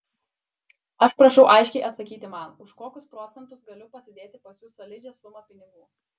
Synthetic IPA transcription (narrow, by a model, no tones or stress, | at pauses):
ɐʃpɾɐʃɛʊʔɐɪʃʲkʲɛɪʔɐt̪sɐkʲiːt̪ʲɪmɐnʊʃkoːkʲʊspɾɔt̪sʲɛnt̪ʊsɡɐlʲʊpɐsʲɪd̪ʲeːt̪ʲɪpɐsʲjʊsɐlʲɪd͡ʒʲɛsʊmɐpʲɪnʲɪɡuː